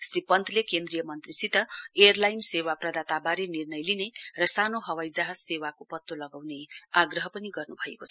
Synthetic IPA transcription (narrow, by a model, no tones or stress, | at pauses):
sripʌnt̪ʰlekend̪ɾijʌmʌnt̪risit̪ʌejʌrlajnsewaprʌd̪at̪abaɾenirnʌjlinerʌsanoɦʌwajd͡zaɦʌsewakopʌt̪ːolʌɡawneaɡrʌɦʌpʌniɡʌrnubʱʌekot͡sʰʌ